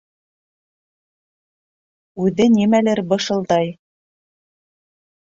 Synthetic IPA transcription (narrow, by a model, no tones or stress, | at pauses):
ʉðɘnimælɘɾbɤ̆ʃɤ̆lˠd̪ɑj